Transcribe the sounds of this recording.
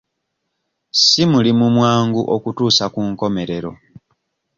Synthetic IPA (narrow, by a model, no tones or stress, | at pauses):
simulimumwaːŋɡuʔokutuːsakuŋko̞me̞ɾeɾo̞̰